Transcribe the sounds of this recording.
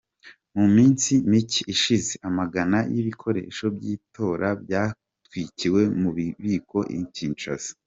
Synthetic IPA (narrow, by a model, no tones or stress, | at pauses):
mumiːnsimiciiʃizeʔamaɡanajiβikʰo̞ɾḛːʃo̞bɟiːto̞ːɾʔabjaː | twiciwe̞muββiːkʰo̞ʔḭɲciːnt͡ʃa̰s